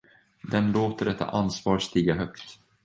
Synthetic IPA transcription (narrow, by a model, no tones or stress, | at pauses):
d̪ɛnloːt̪əɖɛt̪ʰːa̰ʔansvɑːɾst̪iːɡaɦœkt̪